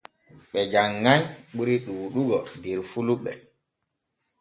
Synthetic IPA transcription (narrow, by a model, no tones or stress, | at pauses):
ɓɛd͡ʒaŋːajɓuɾiɗuwuɗuɡɔdɛɾfuluɓɛ